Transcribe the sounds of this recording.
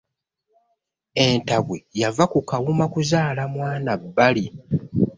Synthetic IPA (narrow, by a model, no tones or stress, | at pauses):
e̞ntaβwejavakukawumakuzaːlamwaːnabːali